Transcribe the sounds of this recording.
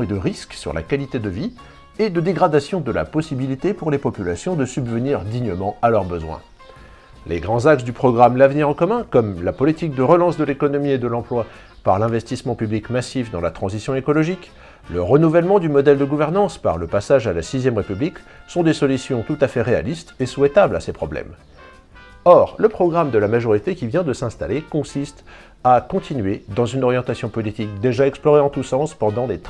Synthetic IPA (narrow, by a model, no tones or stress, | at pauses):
ed̪əʁisksy̰ʁla̰kalit̪ed̪əvi | ed̪əd̪eɡʁad̪asjɔ̃d̪əla̰pɔsibilit̪epuʁlepɔpylasjɔ̃d̪əsybvəniʁd̪iɲəmɑ̃alœʁbəzwɛ̰̃ | lʔḛɡʁɑ̃zakt̪d̪ypχɔɡʁamlavniʁɑ̃kɔmɛ̃kɔmlapɔlit̪ik̚d̪əʁəlɑ̃sd̪əlekɔnɔmied̪əlɑ̃plwa | paʁlɛ̃vɛst̪ismɑ̃pyblikmasifd̪ɑ̃lat̪χɑ̃zisjɔ̃ekɔlɔʒik | ləʁənuvɛlmɑ̃d̪ymɔd̪ɛld̪əɡuvɛʁnɑ̃spa̰ʁləpasaʒalasizjɛmʁepybliksɔ̃d̪esɔlysjɔ̃t̪ut̪afɛʁea̰list̪eswɛt̪abla̰sepχɔblɛ̰m | ɔʁləpχɔɡʁamd̪əlamaʒɔʁit̪ekʲivjɛ̃d̪əsɛ̃st̪alekɔ̃sist̪ | akɔ̃t̪ʰinɥed̪ɑ̃zynɔʁjɑ̃t̪asjɔ̃pɔlit̪ik̚d̪eʒaɛksplɔʁeɑ̃t̪usɑ̃spɑ̃d̪ɑ̃let̪